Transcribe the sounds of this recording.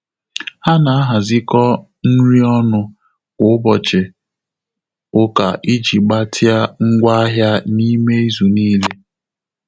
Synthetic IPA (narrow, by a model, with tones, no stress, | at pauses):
ha˦na˨a˦ɦa˨zɪ˦kɔ˦ | n̩˦ɾi˦ɔ˦nʊ˦ | kʊ˨˦bɔ˨t͡ʃɪ˨ | ʊ˦ka̰˨ʔi˦d͡ʒi˨ɡ͡ba˦ti˦a˦ŋ̩˦ɡʷa˦a˦ɦja˦ni˦me˦i˦zu˨niː˦le˦